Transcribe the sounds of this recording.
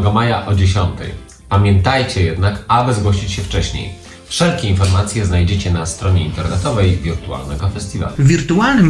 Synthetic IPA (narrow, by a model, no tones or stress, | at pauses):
ɡɔmajaʔɔd͡ʑeɕɔnt̪ɛ̰j | pamʲjɛnt̪ajt͡ɕɛjɛd̪nakabɘzɡwɔɕit͡ɕɕɛft͡ʂɛɕɲḛj | fʂɛlkʲɛinfɔɾmat̪sʲjɛznajd͡ʑet͡ɕɛnast̪ɾɔɲɛint̪ɛɾnɛt̪ɔvɛjvʲiɾt̪ua̰lnɛɡɔfɛst̪ʲiva̰luvʲiɾt̪ualnɘm